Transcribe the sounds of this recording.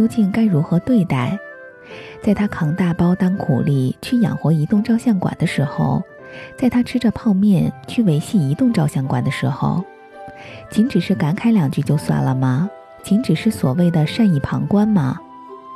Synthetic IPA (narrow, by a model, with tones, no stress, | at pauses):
jo˥ʊt͡ɕi˥˩ŋka˥ɪɻu˧˥xɤ˧˥t̪we˥˧ɪt̪a˥˩ɪ | t͡sa˥˩ɪt̪ʰa˥kʰɑ˧˥ŋt̪a˥˩pɑ˥ʊt̪ɑ˥ŋkʰṵ˨˩li˥˩t͡ɕʰy˥˩jɑ̰˨˩ŋxwɔ˧˥i˧˥t̪ʊ˥˧ŋʈ͡ʂɑ˥˧ʊɕjɑ˥˩ŋkwa̰˨˩nd̪ə˦ʂɻ̩˧˥xo̰˥˧ʊ | t͡sa˥˩ɪt̪ʰa˥ʈ͡ʂʰɻ̩˥ʈ͡ʂə˧pʰɑ˥˧ʊmjɛ˥˩nt͡ɕʰy˥˩we˧˥ɪɕi˥˩i˧˥t̪ʊ˥˧ŋʈ͡ʂɑ˥˧ʊɕjɑ˥˩ŋkwa˨˩nd̪ə˦ʂɻ̩˧˥xo̰˥˧ʊ | t͡ɕʰi˧˥nʈ͡ʂɻ̩˨˩ʂɻ̩˥˩ka˧˥nkʰa˥ɪljɑ˨˩ŋt͡ɕy˥˧t͡ɕjo˥˧ʊswa̰˥˩nlə̰˩mɐ˩ | t͡ɕi˧˥ŋʈ͡ʂɻ̩˨˩ʂɻ̩˥˩swɔ˨˩we˥˩ɪd̪ə˩ʂa˥˧ni˥˩pʰɑ̰˧˥ŋkwa˥nmɐ̰˨˩